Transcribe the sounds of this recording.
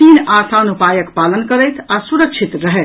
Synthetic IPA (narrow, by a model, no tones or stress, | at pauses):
inasanupajəkpalənkəɾɛjt̪ʰasuɾək̚t͡ʃʰit̪ɾəɦɛ